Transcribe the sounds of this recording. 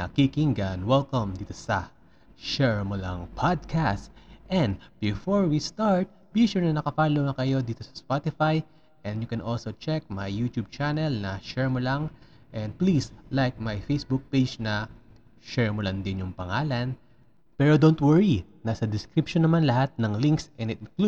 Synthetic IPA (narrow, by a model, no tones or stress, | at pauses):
nɐkikɪŋɡɐnwɛlkɐmd̪iːt̪osɐ | ʃɛɹmolɐ̰ŋpʰad̪̚kʰast̪ʔɛ̃nd̪bɪfoɹwist̪aɹt̪̚biʃuɹnɐnɐkɐfaːlonɐkɐjo̞d̪iːt̪osɐ̥spat̪ɪfaj | ʔɛ̃nd̪jʊkɛnʔolsot͡ʃɛk̚mɐjːut̪jub̚t͡ʃanɛlnɐʃɛɹmɔlaŋ | ʔɛ̃nd̪̚plislajk̚mɐjfejsbuk̚ped͡ʒnɐ | ʃɛɹmɔlɐŋd̪ɪnjʊŋpɐŋaːlɐn | pɛɾod̪ont̪wɛɹinɐsɐd̪ɪskɾɪpʃonːɐmanlɐhat̪̚nɐŋliŋksʔɛ̃nɪt̪ɪnklu